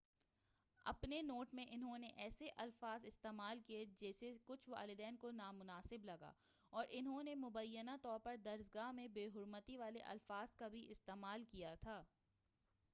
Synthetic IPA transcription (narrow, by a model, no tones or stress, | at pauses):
ɐ̰pnenoːʈmẽʔɪnɦõneʔɛːseʔɐlfaːzɪst̪eːmaːlkied͡ʒɛːsekʊt͡ʃʰʋa̰ːlɪd̪ɛːnkonaːmʊnaːsɪblɐɡa̰ː | ɔːɾʔɪnɦõnemʊbəjːənat̪ɔːɾpɐɾd̪ɐɾsɡaːɦmẽbeːɦʊɾmət̪iʋaːlḛʔɐ̰lfaːzkabʱiʔɪst̪eːmaːlkijat̪ʰaː